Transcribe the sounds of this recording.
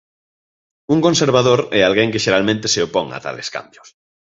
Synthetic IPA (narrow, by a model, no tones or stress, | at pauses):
uŋkonseɾβ̞aðoɾɛalɣeŋkɪʃeɾalmẽnt̪eseopoŋa̰t̪a̰lḛska̰mbjʊs